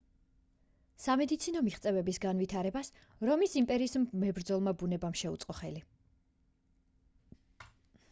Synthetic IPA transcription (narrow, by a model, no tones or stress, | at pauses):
samɛd̪it̪sʰinɔmiχt̪sʼɛvɛbisɡanvit̪ʰaɾɛbas | ɾɔmisimpʼɛɾiːsmːɛbɾd̪zɔlˠmabunɛbamʃɛut̪sʼqʼɔχɛli